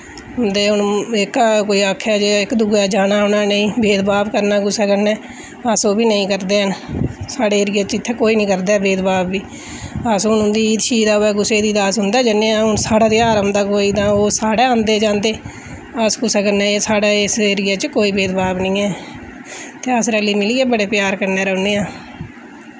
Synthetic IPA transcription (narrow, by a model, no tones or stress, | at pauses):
ɦʊnd̪eːʊnɪkkoːiːaːkʰɛːd͡ʒeːɪkd̪uːɡɛːd͡ʒaːnaːʊnaːnəĩːbeːd̪baːbkəɾnaːɡʊsɛːkəɾnɛː | əsoːbiːnəĩːkəɾd̪eːɦənsaːɽeːɪɾɪjaːt͡ʃɪt̪ʰːeːkoːiːnĩːkəɾd̪ɛːbeːd̪baːbːiː | aːsʊnʊ̃nd̪iːiːd̪ʃiːd̪aːɛːɡʊseːd̪iːd̪aːsɦʊnd̪ɛːd͡ʒənːeːãːʊnsaːɽaːd̪iːaːɾəmd̪aːkoːiːt̪ãːoːsaːɽɛːãːnd̪eːd͡ʒãːnd̪eː | əsɡʊsɛːkəɾnɛːeːsaːɽaːɪsəɾɪɡaːt͡ʃkoːiːbeːd̪baːbnəĩːɛː | t̪eːəsɾɛːliːmɪliːɛːbəɽeːpjaːɾkəɾnɛːɾəːneːãː